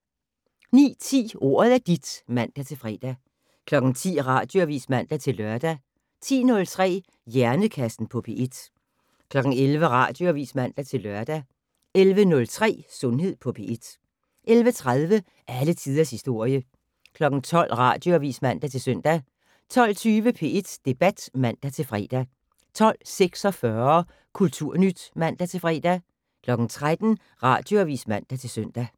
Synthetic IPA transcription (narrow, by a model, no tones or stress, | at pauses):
nḭːt͡sʰḭːo̝̰ːɐð̞ˠæɐd̥id̥mæn̰d̥æt͡sʰe̝lfʁɛ̰ːd̥æ | kʰlɒ̽ɡ̥n̩t͡sʰḭːʁɑ̰̈ːd̥jo̝æʋḭːsmæn̰d̥æt͡sʰe̝lːɶɐd̥æ | t͡sʰḭːnɔ̽lt͡sʰʁɛ̰ː | jæɐnəkʰæsd̥n̩pʰɒ̽pʰe̝ʔed̥ | kʰlɒ̽ɡ̥n̩elʋəʁɑ̰̈ːd̥jo̝æʋḭːsmæn̰d̥æt͡sʰe̝lːɶɐ̰d̥æ | elʋənɔ̽lt͡sʰʁɛ̰ːsɔ̽nɦe̝ð̰ˠpʰɒ̽pʰe̝ʔed̥ | ʔelʋət͡sʰʁaðˠʋə | ʔælət͡sʰið̞ˠɐshisd̥o̝ɐ̰jə | kʰlɒ̽ɡ̥n̩t͡sʰɒ̽l̰ʁɑ̰̈ːd̥jo̝æʋḭːsmæn̰d̥æt͡sʰe̝lsøn̰d̥æ | t͡sʰɒ̽l̰t͡sʰyːʋəpʰe̝e̝d̥d̥e̝b̥æd̥mæn̰d̥æt͡sʰe̝lfʁɛ̰ːd̥æ | t͡sʰɒ̽l̰seɡ̥sɒ̽fɶɐɐ | kʰult͡sʰuɐ̰nyd̥mæn̰d̥æt͡sʰe̝lfʁɛ̰ːd̥æ | kʰlɒ̽ɡ̥n̩t͡sʰʁad̥n̩ | ʁɑ̈ːd̥jo̝æʋḭːsmæn̰d̥æt͡sʰe̝lsøn̰d̥æ